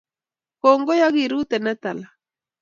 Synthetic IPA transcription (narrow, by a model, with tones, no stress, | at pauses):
kɔ˨ŋɡɔ˦ja˦ɣi˨ɾu˦t̪ɛ˨nɛ˦t̪a˨la˨